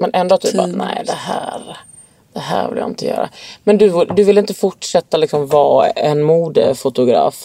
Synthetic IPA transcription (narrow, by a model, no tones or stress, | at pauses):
mɛnʔɛnd̪oːt̪yːanɛɪd̪ɛhæːɾ | d̪̥ɛɦæːɾvɪ̰lja̰ɪnt̪əjœ̰ːɾa̰mɛnd̪ɵd̪ɵvɪlːɪnt̪əfʊʈʂɛt̪ːalɪksɔmvɑːɛnmuːd̪ə̰fʊt̪ʊɡɾɑ̰ːf